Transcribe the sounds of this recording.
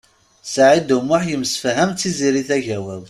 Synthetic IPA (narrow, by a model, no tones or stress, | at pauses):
sʕid̪umːʊħjəmsfɦæmt͡s̪ːiziɾiθæʝæwæl